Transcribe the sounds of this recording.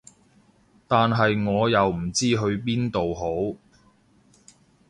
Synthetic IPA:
t̪aː˨nɦɐ˨jŋɔː˨˧jɐ˨wm̩˨˩t͡siː˥ɦɵ˨˧ɥp̬iː˥nt̪o˨wɦo˨˥w

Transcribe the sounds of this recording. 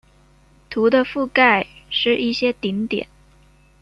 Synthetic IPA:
t̪ʰu˧˥d̪ə˧fu˥˧ka˥˧ɪʂɻ̩˥˧i˥˩ɕjɛ˥t̪i˧˥nt̪jɛ̰˨˩˦n

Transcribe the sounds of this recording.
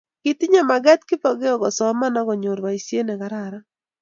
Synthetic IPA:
kɪ˨tɪ˦ɲa˨ma˨ɡa˦t̚kɪ˦pɔ˨ɡɪ˦ɔ˨ɡɔ˨sɔ˨ma˦na˦ɡɔ˨ɲo˨ɾwa˨i˨sje˦nɛ˨ɡa˨ɾaɾa˦

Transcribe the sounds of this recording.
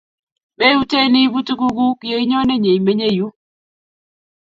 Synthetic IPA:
be˦u˦te˦li˦bu˦tu˦ku˦ɡu˦kɪ˨jo˨˦i˦ɲɔ˦nɛ˦˨ɲe˨jme˦ɲe˦˨ju˦

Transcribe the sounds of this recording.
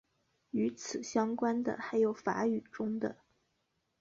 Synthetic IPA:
y˧˥t͡sʰɹ̩˨˩ɕjɑ˥ŋkwa˥nd̪ə̰˨xa˧˥ɪjo˨˩ʊfa̰˧˥y˨˩ʈ͡ʂʊ˥ŋd̪ə̰˨

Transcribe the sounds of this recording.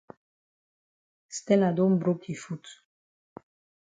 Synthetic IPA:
st̪ɛ˦na˨d̪o˦mbɾo˦ki˨fu˦t̪

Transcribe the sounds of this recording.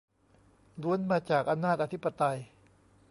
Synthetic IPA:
ɾu˧˦ənmaː˧t͡ɕaː˨˩k̚ʔa˧mnaː˥˩t̪̚ʔa˧t̪ʰi˦˥pːa˧t̪a˧j

